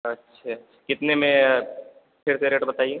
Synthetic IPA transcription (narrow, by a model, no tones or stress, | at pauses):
ɐtːʃʰa | kɪt̪nemẽ | pʰɪɾseɾeːʈbɐt̪aːie